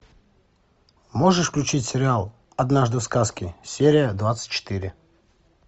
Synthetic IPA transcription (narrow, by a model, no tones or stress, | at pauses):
moʐɨʂfklʲʉt͡ɕitʲsʲɪɾʲɪalˠ | ɐd̪naʐd̪ɨfskaskʲɪsʲeɾʲɪjəd̪vat̪sɨ̥t̚ʲt͡ɕːɪ̥t̪iɾʲɪ